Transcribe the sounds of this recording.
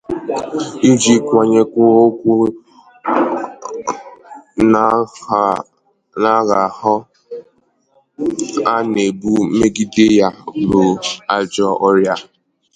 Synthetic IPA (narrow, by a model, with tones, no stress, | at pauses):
i˦d͡ʒi˦kʷa˨ɲe˦kʷʊ˦o˦kʷu˦ | n | na˦ɣa˨hɔ˦ | a˦ne˨bu˦me˦ɡi˦de˦ja˦bo˨a˨d͡ʒɔ˦ʔɔ˦ɾja˨